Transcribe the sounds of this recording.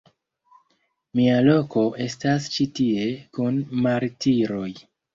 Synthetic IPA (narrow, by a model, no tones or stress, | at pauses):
mialo̞ko̞ʔe̞stast͡ʃitie̞kunmaɾtiɾo̞j